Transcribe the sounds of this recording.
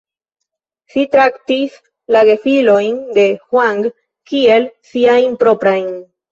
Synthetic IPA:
ʃitɾaktis | laɡefilo̞jnde̞xwaŋɡ | kie̞lsiajnpɾo̞pɾajn

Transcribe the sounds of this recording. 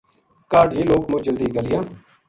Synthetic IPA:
kaːɖɦiːloːkmõːd͡ʒəld̪iːɡəlɪjãː

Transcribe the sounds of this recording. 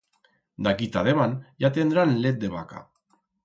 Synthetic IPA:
d̪akit̪aðemanjat̪end̪uɾanlet̪̚d̪eβaka̰

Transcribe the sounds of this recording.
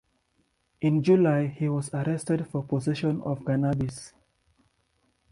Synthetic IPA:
ʔĩnd͡ʒulaɪhiwɔzaɹɛstɛdfɔpɔzɛʃɔ̃nɔ̰vɡanabis

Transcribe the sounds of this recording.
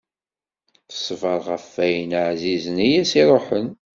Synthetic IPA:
θə̥sˤvɑɾˤʁəfːæjənʕzizənijæsiɾˤoħən

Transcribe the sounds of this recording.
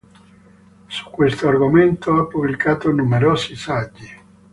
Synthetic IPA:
su̥kːwest̪oarɡoment̪oapːublikaːt̪onumeɾɔːsisad͡ʒːi

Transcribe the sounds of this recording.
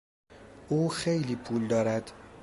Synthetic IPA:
ʔuːxejliːpʰuːld̪ɒːɾæd̪̥

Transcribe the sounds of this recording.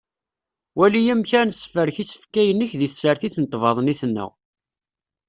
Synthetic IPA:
wælijæmçænsːə̥fəɾçisə̥fkæjənːəçðiθsəɾθiθnət̪ˤːvɑðˤniθnːə̰

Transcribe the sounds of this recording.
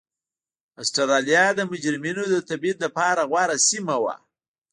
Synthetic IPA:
asʈaɾɑlijɑd̪əmʊd͡ʒɾɪminod̪ət̪abit̪lapɑɾaɣwɑɾasimawa̰

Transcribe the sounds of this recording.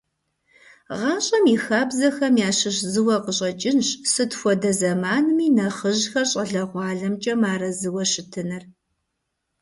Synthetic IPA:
ʁɑːɕʼɐmixaːbzɐxɐmjaːɕɨɕzɨwɐqəɕʼɐt͡ʃʼɪnɕsɨtxʷɔdɐzɐmaːnɨmiːnɐχəʑxɐrɕʼɐɮɐʁʷɑːɮɐmt͡ʃʼɐmaːɾɐzɨwɐɕɪtʰɨnɐr

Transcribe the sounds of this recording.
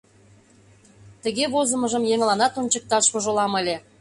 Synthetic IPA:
t̪ə̆ɣeβozə̆mə̆ʒə̆mjeŋlɑnɑt̪onʲt͡ɕək̚t̪ɑʃoʒŏlɑmə̆lʲe

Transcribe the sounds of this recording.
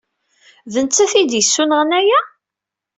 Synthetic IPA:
ðənt͡sːæθid̪jəsːunəʁənæjæ

